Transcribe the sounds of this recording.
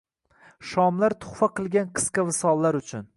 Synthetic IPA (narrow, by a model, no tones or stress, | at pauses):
ʃɒmlaɾt̪ʰʊ̥χfaqʰɨlˠɡʲanqʰɨ̥sqɑvɪsɒlˠːaɾʊt͡ʃʰʊn